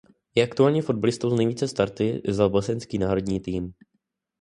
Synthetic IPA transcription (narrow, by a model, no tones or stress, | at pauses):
jɛʔakt̪uaːlɲiːfo̞d̪̚balɪst̪owznɛjviːt͡sɛst̪aɾt̪ɪ̰zabosɛnskiːnaːɾo̞dɲiːt̪iːm